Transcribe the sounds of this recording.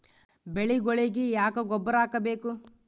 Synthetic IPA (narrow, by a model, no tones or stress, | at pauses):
beɭiɡoɭiɡijaːkɐɡɔbːɐɾaːkɐbeːku